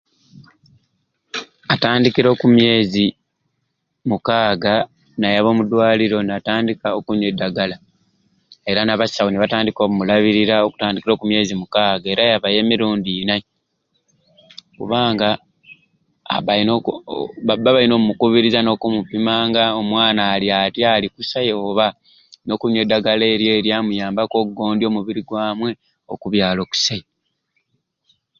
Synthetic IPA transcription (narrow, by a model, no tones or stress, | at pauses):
ataːndikiɾo̞ːkumje̞ːzi | mukaːɡa | najaβo̞ːmudwaːliɾo̞nataːndikaokuɲedːaɡala | e̞ɾanaβasawoniβataːndiko̞ːmumulaβiɾiɾao̞ku̥taːndikiɾo̞ːkumje̞ːzimukaːɡaeɾajaβaje̞ːmiɾuːndiːna | kṵβaːŋɡa | βano | βaβaino̞ːmumukuβiɾizano̞kumupimaːŋɡaomwaːnaːliatjalikusajo̞ːβa | no̞kuɲwe̞ːdːaɡale̞ːɾje̞ːɾjamujaːmbako̞ɡo̞ːndio̞muβiɾiɡwaːmwe̞ | o̞̰kuβjaːlo̞ku̥saji